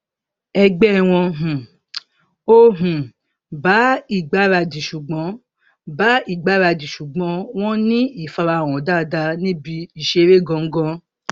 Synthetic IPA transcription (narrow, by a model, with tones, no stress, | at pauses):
ɛ˧ɡ͡bɛ˦˨w̃ɔ̃˧ɦũ˨ | o˦ɦũ˨ | ba˨˦i˦˨ɡ͡ba˨˦ɾa˧dĩ˨ʃu˨ɡ͡bɔ̃˨˦ | ba˨˦i˦˨ɡ͡ba˨˦ɾa˧dĩ˨ʃu˨ɡ͡bɔ̃˨˦w̃ɔ̃˦nĩ˦i˦˨fa˧ɾa˧˨w̃ɔ̃˨da˦˨da˧nĩ˦bi˧i˨ʃe˧˦ɾe˦˨ɡɔ̃˧ŋ̩˦ɡɔ̃˦